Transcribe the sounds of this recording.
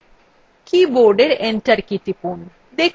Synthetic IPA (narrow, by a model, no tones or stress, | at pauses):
kiboɾɖeɾeɳʈəɾkit̪ipun | d̪ekʰ